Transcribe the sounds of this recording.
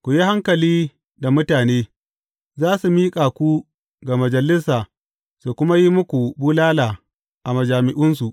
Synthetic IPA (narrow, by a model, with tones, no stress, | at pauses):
kʷu˨ji˦ha˦ŋkɐ˨liː˦ | da˨mʊ˦taː˨neː˦ | zaː˦su˨miː˦kʼa˨kʷu˦ | ɡa˨mɐ˨d͡ʒɐ˨lɪ˦saː˨ | su˨kʷʊ˦ma˦ji˦mʊ˦kʷu˨buː˦laː˦laː˨ | ʔa˨mɐ˨d͡ʒaː˨mɪ˨ʔʊ˦nsu˨ʔ